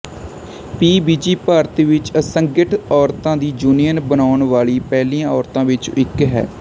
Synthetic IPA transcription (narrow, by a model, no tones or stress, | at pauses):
piːbiːd͡ʒiːpaːɾt̪iːʋɪt͡ʃəsəŋɡɪʈɔːɾt̪ãːd̪iːd͡ʒuːnijənbənaːʊɳʋaːɭiːpɛːlĩːãːɔːɾt̪ãːʋɪt͡ʃɪkɦɛ̰ː